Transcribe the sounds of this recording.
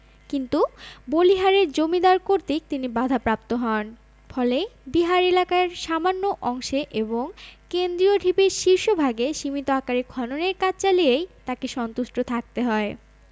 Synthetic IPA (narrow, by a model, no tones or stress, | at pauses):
kint̪uboliɦaɾeɾd͡ʑomid̪aɾkoɾt̪ik̚t̪inibad̪ʱapɾap̚t̪oɦɔn | fɔlebiɦaɾelakaeɾʃamanːoʔɔŋʃeʔeboŋkend̪ɾioɖʱipeɾʃiɾʃobʱaɡeʃimit̪oakaɾikʰɔnoneɾkat͡ɕt͡ɕaliejt̪akeʃɔnt̪uʃʈot̪ʰak̚t̪eɦɔe